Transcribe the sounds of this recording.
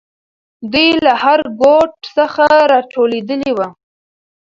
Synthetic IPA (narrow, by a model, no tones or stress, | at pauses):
d̪ujlahaɾɡoʈsəxaɾɑʈʰoled̪əliwa